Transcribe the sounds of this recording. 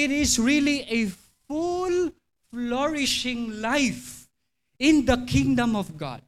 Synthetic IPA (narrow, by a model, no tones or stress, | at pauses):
ɪɾɪsɹilie | ful | flɔɹɪʃɪ̃ŋlaɪf | ɪ̃nd̪əkʰɪ̃ŋdə̃mɔvɡɑ̰d̚